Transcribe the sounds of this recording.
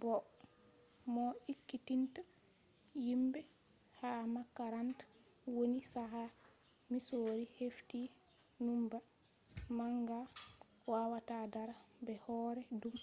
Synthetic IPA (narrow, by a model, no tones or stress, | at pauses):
bɔ | mɔikːitinta | jimbɛ | hamakːaɾant | wonisaɦa | misoːɾihefti | numba | maŋɡa | waːwatadaɾabɛhɔːɾɛdum